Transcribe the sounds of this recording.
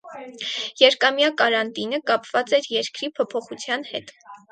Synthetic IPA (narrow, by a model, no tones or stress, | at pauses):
jɛɾkɑmjɑkɑɾɑnt̪inəkɑpvɑt͡sɛɾjɛɾkɾipʰɔpʰɔχut͡sʰjɑn̪hɛt̪